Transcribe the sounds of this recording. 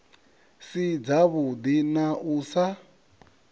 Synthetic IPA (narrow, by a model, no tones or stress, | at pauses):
sid͡zaβud̪inaʔuːsa